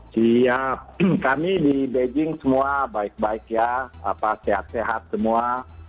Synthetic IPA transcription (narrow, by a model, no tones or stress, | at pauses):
siap̚kamidibed͡ʒɪŋsəmuabaɪk̚baɪkjaa̰paseɦa̰t̪̚seɦat̪̚səmua